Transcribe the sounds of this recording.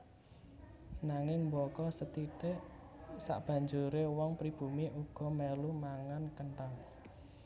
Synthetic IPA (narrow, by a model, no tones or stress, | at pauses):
naŋɪŋmbɔkɔsət̪iʈeʔ | sa̰ʔb̥ä̤ɲd͡ʒuɾewɔŋpɾib̥ṳmiʔuɡ̥ɔ̤melumaŋankəɳʈaŋ